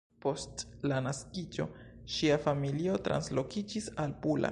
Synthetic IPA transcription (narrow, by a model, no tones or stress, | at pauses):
po̞stlanaskid͡ʒo̞̰ʃiafamilio̞tɾa̰nslo̞kid͡ʒisalpula̰